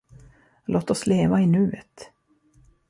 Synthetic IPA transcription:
lʔoːt̪ɔsleːvaɪnʉ̟ːət̪

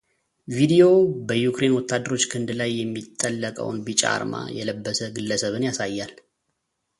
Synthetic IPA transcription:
vid̪io̞bəjukɾe̞nwɔt̪ʰːad̪ːəɾo̞t͡ʃːkʰɨnd̪lajːɛmːit̪ʼːəlːəkʼə̰wnbit͡ʃʼa̰a̰ɾma̰jɛləbːəsəɡɨlːəsəβɨnjasajːal

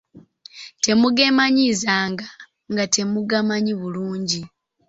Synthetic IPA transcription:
te̞muɡe̞maɲizaːŋɡa | ŋɡatʰe̞muɡamaɲiβuluːɲɟi

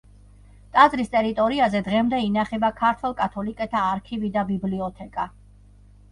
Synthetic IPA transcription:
t̪ʼazɾist̪ʼɛɾit̪ʼɔɾiazɛd̪ʁɛmd̪ɛinaχɛbakʰaɾt̪ʰwɛlˠkʼat̪ʰɔlikʼɛt̪ʰaːɾkʰivid̪abibliɔt̪ʰɛkʼa

